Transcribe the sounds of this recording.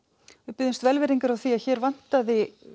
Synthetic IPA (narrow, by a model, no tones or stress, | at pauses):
vɪpɪðɪnst̪vɛlvɪɾiŋkaɾawθiaðçɛːɾvan̥t̪aðɪ